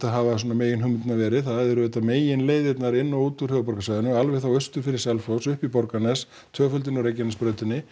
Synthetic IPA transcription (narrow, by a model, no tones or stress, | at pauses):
θaɦavas̬ɔnameːjɪnɦʏmːʏt̪navɛːɾɪðθaðɛðɛɾʏvɛːt̪ameːjɪnleːjðɪt̪naɾɪnːawuːt̪uɾ̥hœːvapɔɾkasajðɪnʏalvɛɣθawœst̪ʏfɪɾɪɾ̥sɛlflosʏhpipɔɾkanɛs | t̪ʰœːɣfœlt̪̬ɪnɔɾejc̬ːɛnaspɾœːɥt̪ɪnːɪ